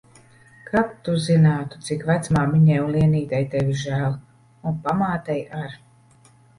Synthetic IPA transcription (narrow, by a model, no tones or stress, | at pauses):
kap̚t̪uzinaːt̪u̥t̪sikvæt̪smaːmiɲɛjunliɛniːt̪ajt̪ɛvʲiʒæːlˠ | unpamaːt̪ajaɾ